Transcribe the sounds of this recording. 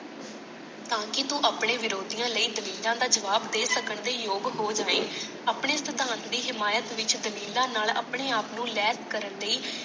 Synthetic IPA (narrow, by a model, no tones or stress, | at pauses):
t̪ãːkɪt̪ũːʔaːpɽẽːʋɪɾoːd̪ijãːləiːd̪əliːlãːd̪aːd͡ʒəʋaːbd̪eːsəkəɳd̪eːjoːɡɦoːd͡ʒaːʋeː | aːpɳeːsɪt̪aːnd̪iːɦɪmaːjət̪ʋɪt͡ʃd̪əliːlãːnaːla̰ːpɳeːaːpnũːlɛːt̪kəɾənləiː